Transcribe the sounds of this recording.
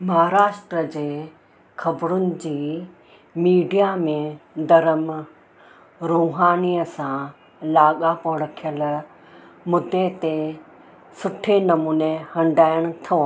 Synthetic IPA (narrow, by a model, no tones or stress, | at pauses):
mɐɦɾaːʃʈɾəd͡ʑeː | kʰɐbɾʊnɪ̆d͡ʑiː | miːɖijamẽd̪ɐɾəm | ɾoːɦaːniːəsã | laːɠapoːɽɐkʰijəl | mʊd̪ːet̪e | sʊʈʰenɐmuːnehɐ̃ɳɖaːɪəɽ̃ʊt̪ʰoː